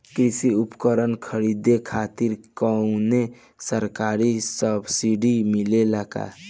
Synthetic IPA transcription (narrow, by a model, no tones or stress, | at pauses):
kɾisiupkəɾənkʰəɾid̪ekʰat̪iɾkəũne | səɾkaɾisəbʱsiɖimilelaka̰